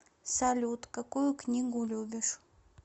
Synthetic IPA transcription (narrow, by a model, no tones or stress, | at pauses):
salʲut̪kakujʊknʲiɡʊlʲubʲɪʂ